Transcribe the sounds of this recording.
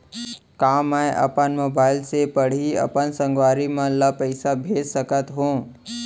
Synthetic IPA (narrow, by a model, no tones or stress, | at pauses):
kaːmɛ̃ʔɐ̰pənmoːbaːɪlsepəɽ̤iɐ̰pənsə̃ŋɡʋaːɾimãləpəɪsabʱeːd͡ʒsəkət̪ɦũː